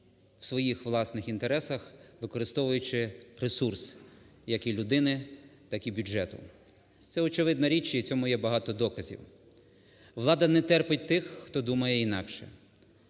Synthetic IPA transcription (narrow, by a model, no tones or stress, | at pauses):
w̥sʋɔjixʋlˠɑsnɪxint̪eɾɛsɐxʋɪkɔɾɪst̪ɔʋʊjʊt͡ʃɪɾesursjɐkilʲʊd̪ɪnɪt̪ɑkibʲud͡ʒɛt̪ʊ̰ | t̪sɛɔt͡ʃɪʋɪd̪nɐɾʲit͡ʃɐit͡sʲɔmʊjɛbɐɦɑt̪ɔd̪ɔkɐzʲḭw | ʋlˠɑd̪ɐnɛt̪ɛrpɪt̚ʲt̪ɪxːt̪ɔd̪umɐjɛinɑkʃɛ̰